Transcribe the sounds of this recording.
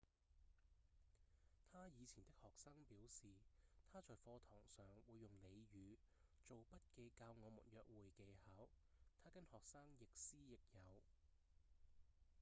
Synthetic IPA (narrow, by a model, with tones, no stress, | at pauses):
t̪ʰaː˥jiː˨˧t͡sʰiː˨˩nt̪ɪ˥k̚hɔː˨k̚saː˥ŋpiː˨˥wsiː˨t̪ʰaː˥t͡ʃɔː˨jfɔː˧t̪ʰɔː˨˩ŋsœː˨ŋwuː˨˧jːʊ˨˩ŋle˨˧jɥyː˨˧ | t͡ʃo˨wpɐ˥t̚ke˨˧jkaː˧wŋɔː˨˧mṵ˨˩njœː˨k̚wuː˨˩jke˨˧jha˨˥w | t̪ʰaː˥kɐ˥nhɔː˨k̚saː˥ŋjɪ˨k̚siː˥jɪ˨k̚jɐ˨˧w